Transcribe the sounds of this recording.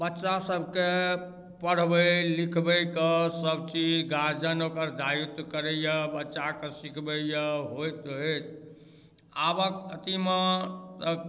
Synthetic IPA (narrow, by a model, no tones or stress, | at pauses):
bətːʃasəbʱke | pəɽ̤bəlikʰbəkəsəbt͡ʃid͡ʒɡad͡ʒənokəɾd̪ʱajut̪kəɾejəbətːʃakesikʰbəjəɦojt̪et̪ | abəkət̪imet̪ə